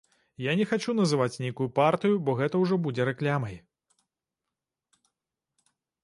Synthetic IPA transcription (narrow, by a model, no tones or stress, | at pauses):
janʲɛxat͡ʂunɐzɨvat͡sʲnʲejkujupart̪ɨjubɔɣɛt̪ɐwʐɔbud͡zʲɛɾɛklʲamɐj